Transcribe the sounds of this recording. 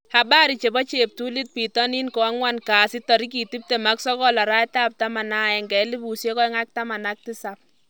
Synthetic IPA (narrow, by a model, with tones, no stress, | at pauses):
ha˨ba˦ɾi˨t͡ʃe˨bɔ˦t͡ʃe˨p̚tu˦li˦t̚pi˨tɔ˦ni˦nkɔ˨a˦ŋwa˦nkaː˨si˦tɔ˨ɾi˦ki˨ti˦p̚te˨ma˦ksɔ˦kɔ˦la˨ɾa˦ta˦p̚tama˨na˦ɛ˨ŋɡɛ˨˦li˦bu˨sje˦kɔ˦jŋa˦k̚ta˦ma˨na˦k̚ti˦sa˨p̚